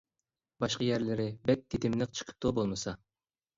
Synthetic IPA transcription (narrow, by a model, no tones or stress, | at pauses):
bɑʃqɑjæɾlɪɾɪbɛt̪̚d̪ʰit̪ʰɪmlɨq̚t͡ʃʰɨ̥qʰə̥p̚t̪ubolˠmɨsɑ